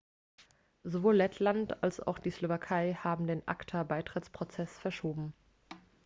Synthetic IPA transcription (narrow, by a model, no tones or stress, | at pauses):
zovoːlːɛtʰlantalsa̰ʊxd̥iːslovakʰaɪhaːbm̩deːnʔa̰ktʰabaɪtʁ̥ɪt͡spʁ̥ot͡sɛsfɛɐʃoːbm̩